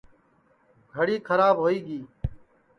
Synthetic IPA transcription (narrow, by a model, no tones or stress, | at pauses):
ɡʱəɽiːkʰəɾaːbɦoːiːɡiː